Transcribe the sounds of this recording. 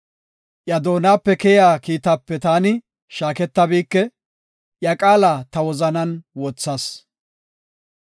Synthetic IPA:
ʔjɐd̪o̞ːnaːpːɛkɛjaːkiːt̪aːpːɛt̪aːnɪ | ʃaːkɛt̪ːɐbiːkːɛ | ʔjɐkʼaːlaːt̪ɐwɔzɐnɐnwɔt͡sːɐs

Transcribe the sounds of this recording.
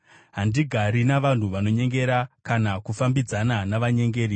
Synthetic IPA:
ɦandiɡʱaɾinaʋan̤uʋano̞ɲe̞ŋɡe̞ɾakanakufambid͡zananaʋaɲe̞ŋɡeːɾi

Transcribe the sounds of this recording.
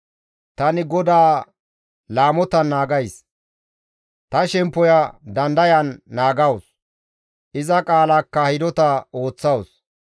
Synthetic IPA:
t̪ɐnɪɡɔd̪aː | laːmɔt̪ɐnːaːɡɐjs | t̪ɐʃɛmpːɔjɐd̪ɐnd̪ɐjɐnːaːɡɐws | ʔɪzɐkʼaːlakːɐhɪd̪ɔt̪ɐo̞ːt͡sːɐws

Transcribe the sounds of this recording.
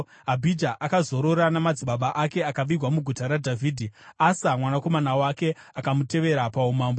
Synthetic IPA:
ɦabʱid͡ʒaʔakazo̞ɾo̞ɾanamad͡ziɓaɓaʔake̞akaʋirʱwamuɡʱutaɾadʱavʱiːdʱiasamwanako̞manawake̞ | akamute̞ʋe̞ɾapaumaːmbo

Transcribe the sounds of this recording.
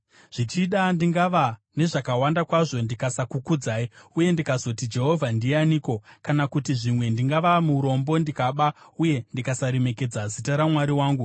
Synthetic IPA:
ʐ̥it͡ʃiɗandiŋɡaʋa | ne̞ʐakawandakwaʐo̞ndikasakukud͡zaːiuje̞ndikazo̞tid͡ʒe̞ɦo̞vʱandianiːko̞kanakutiʐimwe̞ndiŋɡaʋamuɾo̞mbo̞ndikaɓauje̞ndikasaɾe̞me̞ke̞d͡zazitaɾamwaɾiwaːŋɡu

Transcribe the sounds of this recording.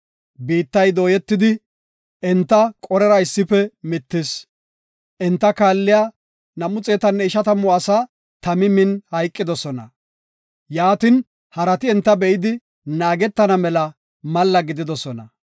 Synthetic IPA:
biːt̪ːɐjd̪o̞ːjɛt̪ːɪd̪ɪ | ɛnt̪ːɐkʼɔɾɛɾɐɪsːɪpɛmɪt̪ːɪs | ʔɛnt̪ːɐkaːlːɪja | nɐmʊt͡sʼeːt̪ɐnːɛɪʃɐt̪ɐmʊɐsa | t̪ɐmɪmɪnhɐjkʼːɪd̪ɔsɔnɐ | jaːt̪ɪn | hɐɾɐt̪ɪɛnt̪ːɐbɛɪd̪ɪ | naːɡɛt̪ːɐnɐmɛlɐ | mɐlːɐɡɪd̪ɪd̪ɔsɔnɐ

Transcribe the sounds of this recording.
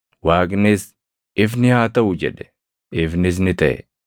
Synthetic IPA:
waːkʼnɪs | ɪfnɪhaːt̪ɐʔʊd͡ʒɛ̰ᶑɛ̥ | ɪfnɪs̬nɪt̪ɐʔɛ̰

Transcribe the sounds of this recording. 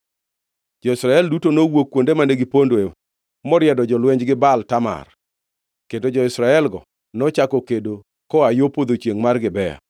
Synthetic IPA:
d͡ʒɔɪsɾaɛldutonowokːwondemaneɡɪpondwe | mɔɾjɛdɔd͡ʒɔlwɛɲd͡ʒɡɪbaltama̰r | kendod͡ʒɔɪsɾaɛlɡɔ̰ | nɔt͡ʃakɔkedo | kɔajopod̪ot͡ʃjeŋmarɡɪbɛja̰

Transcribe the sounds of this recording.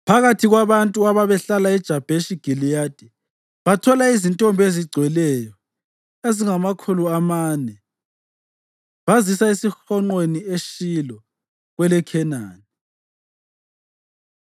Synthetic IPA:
pʰaɣatʰiɣwaβantʼuaβaβɛɬalaɛd̥ʒ̥ʱab̥ʱeʃiɡ̥ʱilijad̥ʱʼi | βatʰɔlaizintʼombʱeziɡ͡ǀʱwɛlɛjɔ | eziŋamakʰuluamaːnɛ | βazisaisixɔŋ͡ǃwenieʃilɔ | ɣwɛlɛkʰɛnaːnɛi

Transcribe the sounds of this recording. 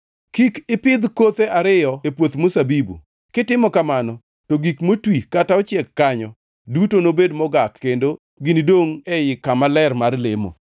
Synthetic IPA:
kikɪpɪd̪kot̪eʔaɾɪjɔepwot̪mosabibṵ | kɪtɪmɔkamanɔ | toɡikmotwikataɔt͡ʃɛkːaɲɔ | dutonobedmɔɡakːendo | ɡɪnidoŋɛjɪkamalɛrmarlemo̰

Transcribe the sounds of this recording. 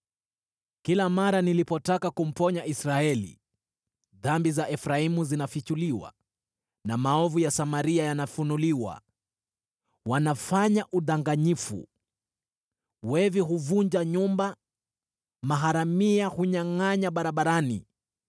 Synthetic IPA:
kilamaɾanilipɔtakakum̩pɔɲaʔisɾaɛlḭ | ðambizaʔɛfɾaimuzinafit͡ʃuliwa̰ | namaɔvujasamaɾiajanafunuliwa̰ | wanafaɲaʔuðaŋɡaɲifṵ | wɛviɦuvuɲd͡ʒaɲumba | maɦaɾamiahuɲaŋaɲaɓaɾaɓaɾanḭ

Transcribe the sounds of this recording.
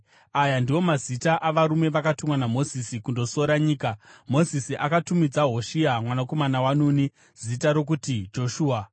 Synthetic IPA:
ajandiwo̞mazitaʔaʋaɾume̞ʋakatumwanamo̞zisikundo̞so̞ɾaɲiːkamo̞zisiʔakatumid͡zaɦo̞ʃiamwanako̞manawanuːni | z̥itaɾo̞k̬utid͡ʒo̞ʃuːa

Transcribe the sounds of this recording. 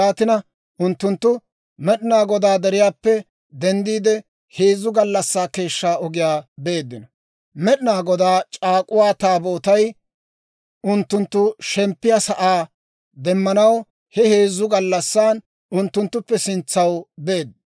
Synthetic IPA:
aːt̪ɪnɐ | ʔʊnt̪ːʊnt̪ːʊ | mɛɗɪnaːɡɔd̪aːd̪ɛɾɪjaːpːɛ | d̪ɛnd̪iːd̪ɛ | he̞ːzːʊɡɐlːɐsːaːke̞ːʃːaːɔɡɪjaːbe̞ːd̪ːɪnɔ | mɛɗɪnaːɡɔd̪aːt͡ʃʼaːkʼʊwaːt̪aːbo̞ːt̪ɐj | ʔʊnt̪ːʊnt̪ːʊʃɛmpːɪjasɐʔaː | d̪ɛmːɐnɐw | hɛhe̞ːzːʊɡɐlːɐsːaːn | ʊnt̪ːʊnt̪ːʊpːɛsɪnt͡sːɐwbe̞ːd̪̚ː

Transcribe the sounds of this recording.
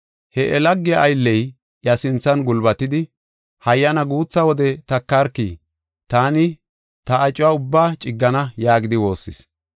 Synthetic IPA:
hɛʔɛlɐɡːɪjaʔːjlːɛj | jɐsɪnt͡sːɐnɡʊlbɐt̪ɪd̪ɪ | hɐjːɐnɐɡuːt͡sːɐwɔd̪ɛt̪ɐkːɐɾkːi | t̪aːnɪ | t̪ɐːt͡ʃʼːʊwaːʊbːaːt͡ʃʼɪɡːɐnɐjaːɡɪd̪ɪwo̞ːsːɪ̰s

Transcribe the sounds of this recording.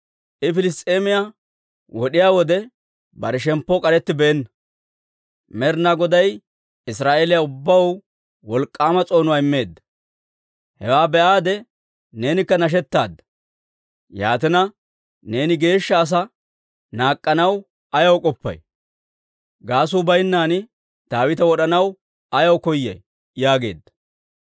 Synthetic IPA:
ʔɪfɪlɪs̬t̪ʼeːmɪja | wɔɗɪjaːwɔd̪ɛ | bɐɾɛʃɛmpːɔkʼɐɾɛt̪ːɪbɛɛnːɐ | mɛɾnaɡɔd̪ɐj | ɪsɾaːʔeːlɪjaʊbːɐw | wɔlkʼːaːmɐt͡sʼo̞ːnʊwaːɪmːe̞ːd̪ːɐ̥ | hɛwaːbɛʔaːd̪ɛ | ne̞ːnɪkːɐnɐʃ̬ɛt̪ːaːd̪ːɐ̥ | ja̰ːt̪ɛnɐ | ne̞ːnɪɡe̞ːʃːɐːs̬ɐ | naːkʼːɐnɐw | ɐjɐwkʼɔpːɐ̰j | ɡaːs̬uːbɐjnːaːnɪ | t̪aːwɪt̪̬ɐwɔɗɐnɐw | ɐjɐwkɔjːɐ̰j | jaːɡe̞̰ːd̪ːɐ̥

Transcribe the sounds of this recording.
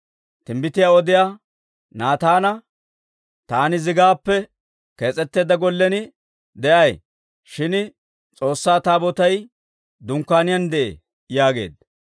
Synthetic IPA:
t̪ɪmbɪt̪ɪjaːɔd̪ɪjaː | naːt̪aːnɐ | t̪aːnɪzɪɡaːpːɛ | ke̞ːt͡sʼɛt̪ːe̞ːd̪ɐɡɔlːɛnɪ | d̪ɛʔɐj | ʃɪn | t͡sʼo̞ːsːaːt̪aːbɔt̪ɐj | d̪ʊŋkːaːnɪjɐnd̪ɛʔḛ | jaːɡḛːd̪

